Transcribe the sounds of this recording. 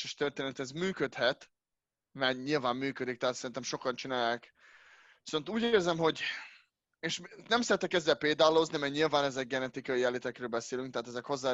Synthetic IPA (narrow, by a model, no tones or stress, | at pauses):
ɛʃt̪ørt̪eːnɛt̪ɛzmyːkøt̪hɛt̪ | mɛɲilvaːmːyːkød̪ik̚t̪ɛɦaːt̪sɛɾint̪ɛmʃo̞kɒnt͡ʃinaːjaːk | i̥so̞nt̪uːɟeːrzɛmho̞ɟ | eːʃnɛmsɛɾɛt̪ːɛkɛzd̪ɛlpeːd̪aːloznimɛɲilvaːnɛzɛɡ̚ɡɛnɛt̪ikɒjiɛlit̪ɛkrøːlbɛseːlyŋk̚t̪ɛɦat̪ɛzɛkho̞zːaː